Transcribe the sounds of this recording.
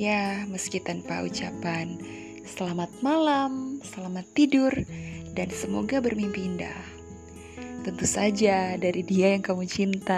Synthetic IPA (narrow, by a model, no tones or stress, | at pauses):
jaməskit̪anpa̰ṵt͡ʃapan | səlamat̪̚malamsəlamat̪ːidʊrdansəmoɡabərmimpinda̰h | t̪ənt̪usad͡ʒadaɾidiajaŋkamut͡ʃint̪a